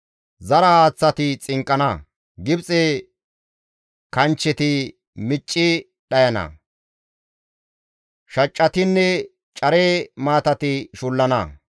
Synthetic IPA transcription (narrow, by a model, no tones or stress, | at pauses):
zɐɾɐhaːt͡sːɐt̪ɪt͡sʼɪŋkʼːɐnɐ | ɡɪbt͡sʼe | kɐnt͡ʃːɛt̪ɪ | mɪt͡ʃʼːɪ | ɗɐjɐnɐ̰ | ʃɐt͡ʃʼːɐt̪ɪnːɛ | t͡ʃʼɐɾeːmaːt̪ɐt̪ɪʃʊlːɐnɐ̰